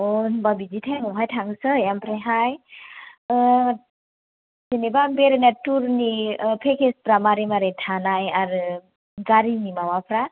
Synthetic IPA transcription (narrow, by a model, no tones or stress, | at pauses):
ɔnbabid͡ʒitʰaŋɔɦajtʰaŋsɯjampʰɾeɦaj | zenebambeɾenatuɾnipʰekʰesbɾamaɾimaɾetʰanajaɾɯ | ɡaɾinimawapʰɾa